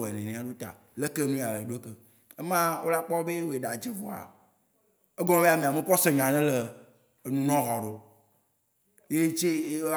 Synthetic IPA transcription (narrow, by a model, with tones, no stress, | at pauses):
e˨nẽ˨nẽ˨˦a˦ɖo˦t̪a̰˨ | le˦ke˦nũ˦ja˨le˨ɖo˦e˦ke˨ | e˦mã˦wo̰˦la˦k͡pɔ˦be˦wo˨e˨ɖa˨d͡ʒe˦vo˦a̰˨ | e˦ɡɔ̃˦e˦a˨mẽ˨a˨mẽ˦kɔ˦se˨ɲã˨nɛ̃˦le˨ | nũ˨nɔ̃˦ɦɔ˨ɖo˨ | je˦t͡ʃe˦